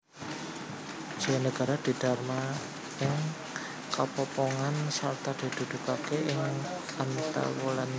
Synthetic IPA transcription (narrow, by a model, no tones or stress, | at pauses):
d͡ʒ̥iwanəɡ̥a̤ɾad̪̥i̤d̪̥a̤rma | ɪŋ | kapɔpɔŋansart̪ad̪̥i̤d̪̥ṳd̪̥ṳkakeɪŋ | ant̪a̰wulan